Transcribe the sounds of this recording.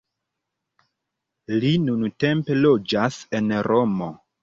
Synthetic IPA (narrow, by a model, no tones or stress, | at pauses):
linunute̞mpe̞lo̞d͡ʒase̞nɾo̞mo̞